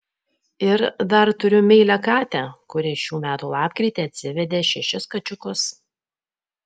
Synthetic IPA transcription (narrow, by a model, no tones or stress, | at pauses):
ɪɾd̪ɐɾt̪ʊɾʲʊmʲɛɪlʲɛkɑːt̪ʲækʊɾʲɪʃʲuːmʲæːt̪uːlˠɑːpʲkɾʲiːˑt̪ʲeːɐt̪ʲsʲɪʋʲɛd̪ʲeːʃʲɛʃʲɪskɐt͡ʃʲʊkʊs